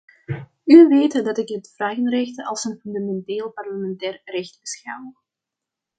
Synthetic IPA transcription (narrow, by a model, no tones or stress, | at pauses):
yʋeːtədɑtɪkdətfraːɣənrɛxtəɑlˠsənfyndamɛnteːlˠpɑrləmɛntɛːrrɛxt̚bəsxaw